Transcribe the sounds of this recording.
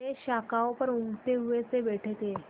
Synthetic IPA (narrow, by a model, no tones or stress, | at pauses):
eɕakawpəɾuŋɡt̪euʋet͡seʋeʈʰet̪e